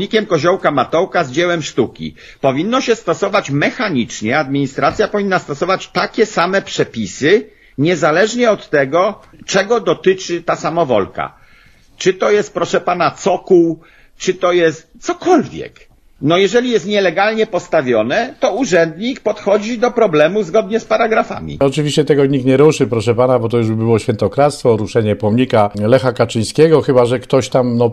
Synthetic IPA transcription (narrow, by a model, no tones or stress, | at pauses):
ɲikʲɛmkɔʑɔwkamat̪ɔwkazd͡ʑɛwɛmʂt̪ukʲḭ | pɔvʲinːɔɕɛst̪ɔsɔvat͡ɕmɛxaɲit͡ʂɲɛad̪̚mʲiɲist̪ɾat̪sʲjapɔvʲinːast̪ɔsɔvat͡ɕt̪akʲɛsamɛpʂɛpʲisɘ | ɲɛzalɛʐɲɛɔt̪ːɛɡɔt͡ʂɛɡɔd̪ɔt̪ɘt͡ʂɘt̪asamɔvɔ̰lka̰ | t͡ʂɘt̪ɔjɛst̪̚pɾɔʂɛpanat̪sɔkuw | t͡ʂɘt̪ɔjɛst̪t̪sɔkɔlvʲjɛ̰k | nɔjɛʐɛlʲijɛst̪ɲɛlɛɡalɲɛpɔst̪avʲjɔnɛt̪ɔuʐɛnd̪ɲikpɔt̪xɔd͡ʑid̪ɔpɾɔblɛmuzɡɔd̪ɲɛspaɾaɡɾafa̰mʲḭɔt͡ʂɘvʲiɕt͡ɕɛt̪ɛɡɔɲik̚t̪ɲɛɾuʂɘpɾɔʂɛpanabɔt̪ɔjuʐbɘbɘwɔɕfʲjɛnt̪ɔkɾat̪st̪fɔɾuʂɛɲɛpɔmɲikalɛxakat͡ʂɘj̃skʲɛɡɔxɘbaʐɛkt̪ɔɕt̪amnɔ